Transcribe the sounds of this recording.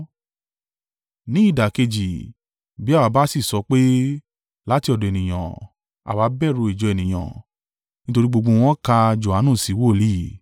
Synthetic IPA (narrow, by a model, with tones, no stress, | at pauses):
nĩ˦i˦˨da˨ke˧d͡ʒi˨ | bi˨˦a˦˨wa˨˧˦ba˦si˦˨sɔ˧˦k͡pe˦ | la˦ti˧˦ɔ˧dɔ̃˨e˨nĩ˨j̃ã̰˨ | a̰˨wa˨˦bɛ˦˨ɾo˧i˨d͡ʒɔ˨˧e˨nĩ˨j̃ã̰˨ | nĩ˦to˧ɾi˦ɡ͡bo˧ɡ͡bõ˧w̃ɔ̃˦ka˧d͡ʒo˨a˨˦nũ˦˨si˨˦wo˦˨li˦˨